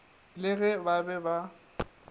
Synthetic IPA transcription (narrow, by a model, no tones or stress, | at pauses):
lɪɣɛbabɛba